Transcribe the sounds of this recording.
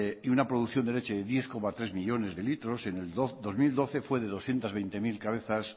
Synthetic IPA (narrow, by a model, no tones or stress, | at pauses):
iunapɾoð̞uθjond̪e̞le̞t͡ʃeðeðje̞θko̞mat̪ɾe̞zmiʎo̞ne̞zðe̞lit̪ɾo̞se̞neldod̪o̞zmild̪o̞θe̞fwe̞ð̞eð̞o̞sθjent̪azβ̞ejnt̪e̞milkaβ̞e̞θas